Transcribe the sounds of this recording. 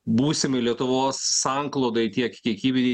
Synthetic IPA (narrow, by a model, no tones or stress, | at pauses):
buːsʲɪmɐɪlʲiɛt̪ʊʋoːsːɑŋklˠoːd̪ɐɪt̪ʲiɛkkʲiɛkʲiːbʲed̪ʲi